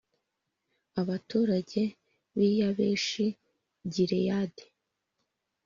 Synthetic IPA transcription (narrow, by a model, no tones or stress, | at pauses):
aβatuːɾaɟe̞ | βijaβeːʃi | ɟiɾejade